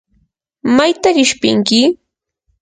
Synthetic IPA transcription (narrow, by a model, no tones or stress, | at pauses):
majt̪aɾɪʃpɪ̰ŋkɪ